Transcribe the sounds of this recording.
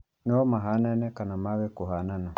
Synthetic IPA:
nɛɔmaɦanɛnɛkanamaβɛkuɦanana

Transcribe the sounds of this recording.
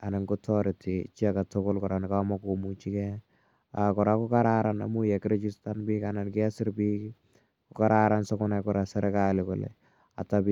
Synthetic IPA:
anɪŋɡʊtɔɾɪtʰit͡ʃiakatʊkolkɔɾanɪkamɔkomut͡ʃikɛ | a̰kɔɾakʊkaɾaɾana̰mujɛkɪɾet͡ʃistanbikanankɪasɪɾpiːk | kʊkaɾaɾansɔkʊnakɔɾasɛɾɛkalɪkʊlḛ | a̰tai

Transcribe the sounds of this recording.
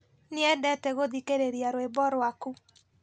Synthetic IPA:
neɛndɛtɛɣoðikeɾeɾiaɾwebɔɾwaku

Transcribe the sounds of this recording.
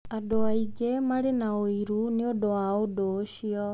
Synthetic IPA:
adoaiɡemaɾenaoiɾuneodowaodoɕiɔ

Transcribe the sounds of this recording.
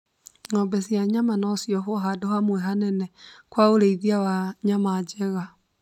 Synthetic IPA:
ŋɔmbɛsjaɲamanɔsjɔɦoɦadohamwɛɦanɛnɛkwaoɾeiðiawaɲamad͡ʒɛɣa

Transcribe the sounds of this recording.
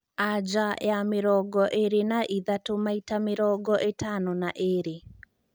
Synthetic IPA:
ad͡ʒaʔḛameɾɔɡɔʔeɾenaʔiðatomaitameɾɔɡɔʔetanɔnaʔeɾe

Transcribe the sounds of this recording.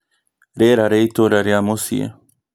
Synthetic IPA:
ɾeɾaɾejt̪oɾaɾjamosḭḛ

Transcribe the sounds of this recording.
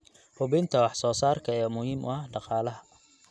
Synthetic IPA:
hʊβɛjnt̪ʰɐwɑħsɔːsaːrkʰɐɛːmʊhiːmʔʊ̰ɐhɖɑqɑːlɐɦɐ

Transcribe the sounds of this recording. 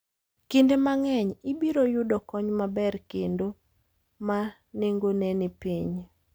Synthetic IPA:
kendemaŋɛɲibiɾojʊdɔkɔɲmabɛrkendo | ma | neŋɡonenipiɲ

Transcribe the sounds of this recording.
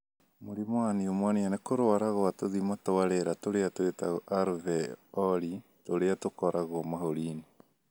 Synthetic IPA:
moɾimɔaniomwaneanekoɾoaɾaɣoatoðimatoaɾɛɾatoɾeatoetaɣɔʔaɾvɛɔɾitoɾeatokɔɾʔaɣɔmahoɾiːni

